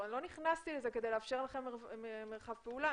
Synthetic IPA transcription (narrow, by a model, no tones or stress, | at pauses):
nlo̞niχnast̪ileze̞kedejleːfʃe̞ʁlaχe̞memeʁχavpeula